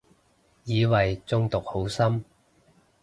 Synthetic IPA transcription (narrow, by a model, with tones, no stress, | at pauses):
jiː˨˧wɐ˨jt͡sʊ˥ŋt̪ʊ˨k̚ho˨˥wsɐ˥m